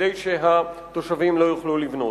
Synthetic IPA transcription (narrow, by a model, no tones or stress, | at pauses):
ejʃeɦat̪o̞ʃavimlo̞juχlulivno̞